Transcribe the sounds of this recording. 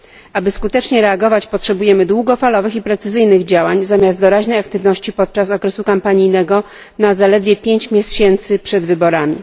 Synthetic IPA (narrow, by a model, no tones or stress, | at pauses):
abɘskut̪ɛt͡ʂɲɛɾɛaɡɔvat͡ɕpɔtʂɛbujɛmɘd̪wuɡɔfalɔvɘxipɾɛt̪sɘzɘjnɘɣd͡ʑawaɲzamʲjast̪d̪ɔɾaʑnɛjak̚t̪ɘvnɔɕt͡ɕipɔt̪̚t͡ʂasɔkɾɛsukampaɲijnɛɡɔ | nazalɛd̪vʲjɛpʲjeɲt͡ɕmʲjɛɕɛnt̪sɘpʂɛd̪vɘbɔɾamʲḭ